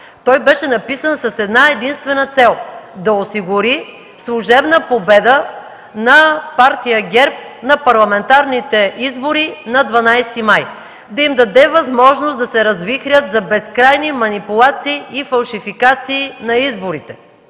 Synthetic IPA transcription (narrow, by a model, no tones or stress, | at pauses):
t̪ɔjbɛʃɛnɐpisənsɐsɛd̪naɛd̪inst̪vɛnət̪sɛlˠd̪ɐosiɡʊɾi | slˠuʒɛbnəpobɛd̪ə | nɐpaɾt̪ijəɡʲɛɾp̚ | nɐpɐɾlˠɐmɛnt̪aɾnit̪ɛʔizboɾinɐd̪vɐnajst̪imaj | d̪ɐimd̪ɐd̪ɛvɐzmɔʒnost̪d̪ɐsɛɾɐzvixɾʲət̪zɐbɛskɾajnimɐnipulˠat̪siːifɐlˠʃifikat̪siːnɐizboɾit̪ɛ̥